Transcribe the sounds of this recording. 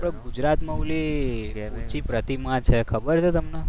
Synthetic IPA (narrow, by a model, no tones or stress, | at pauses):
pɽə̃ɡud͡ʒɾat̪məɦule | ũt͡ʃipɾət̪imãt͡ʃʰɛkʰəbəɾt͡ʃʰɛt̪əmne